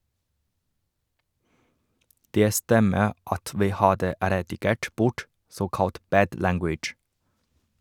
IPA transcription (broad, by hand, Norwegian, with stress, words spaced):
ˈdeː ˈstɛmə ˈɑt ˈʋiː ˈhɑːdə ɾɛdɪˈɡeːʈ ˈbʊʈ ˈsoːkɑlt ˈbæːd ˈlæŋɡwɪd͡ʒ